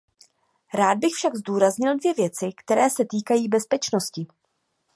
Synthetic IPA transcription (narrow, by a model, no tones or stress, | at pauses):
ɾaːd̪̚bɪxfʃaɡzduːɾazɲɪldvjɛvjɛt͡sɪkt̪ɛɾɛːsɛt̪iːkajiːbɛspɛt͡ʃno̞scɪ